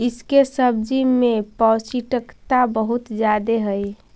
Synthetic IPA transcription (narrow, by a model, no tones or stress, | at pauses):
ɪskesəb̚d͡ʒimẽpɔːsiʈəkt̪abəɦʊt̪d͡ʒjaːd̪eɦəi